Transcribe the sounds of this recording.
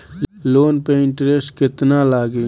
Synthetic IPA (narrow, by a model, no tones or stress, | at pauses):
loːnpeɪɳʈɾesʈkɪt̪nalaːɡe